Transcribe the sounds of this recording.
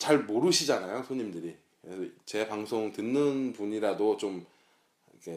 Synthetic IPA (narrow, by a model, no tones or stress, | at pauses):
t͡ɕaɭmoɾɯɕʰid͡ʑanajosʰoɲimdɯɾikɯɾesʰʌt͡ɕe̞paŋsʰoŋtɯnːɯnpuɲiɾadot͡ɕom | ikʰe̞